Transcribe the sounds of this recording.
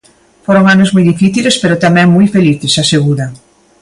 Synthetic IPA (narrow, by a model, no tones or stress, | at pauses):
foɾoŋanozmujðifiθilespeɾot̪amɛ̃ŋmujfeliθesaseɣuðɐ